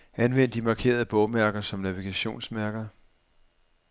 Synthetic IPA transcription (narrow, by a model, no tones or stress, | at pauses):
ænʋen̰d̥imɑ̈kʰe̝̰ːɐð̞̩ˠb̥ɔʊmæɐɡ̥ɐsɒ̽mnæʋiɡ̥æɕo̝̰ːnsmæɐɡ̥ɐ